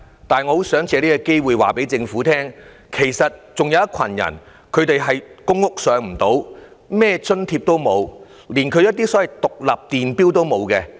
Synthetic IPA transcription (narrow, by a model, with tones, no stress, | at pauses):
t̪aː˨nŋɔː˨˧ho˨˥wsœː˨˥ŋt͡sʰɛː˨˧liː˥kɐ˧ke˥jwuː˨˧jwa̰ː˨pe˨˥jt͡sɪ˧ŋfuː˨˥t̪ʰɛː˥ŋ | kʰe˨˩jsɐ˨t̚t͡sʊ˨ŋjɐ˨˧wɐ˥t̚kʷʰɐ̰˨˩njɐ̰˨˩n | kʰɵ˨˧ɥt̪e˨jɦɐ˨jkʊ˥ŋːʊ˥k̚sœː˨˧ŋm̩˨˩t̪o˨˥w | mɛː˥t͡sɵ˥nt̪ʰiː˧p̚t̪o˥wmo˨˧w | liː˨˩nkʰɵ˨˧ɥjɐ˥t̪̚iː˥sɔ˨˥wɐ˨jt̪ʊ˨k̚lɐ̰˨p̚t̪iː˨npiː˥wt̪o˥wmo˨˧wkɛ˧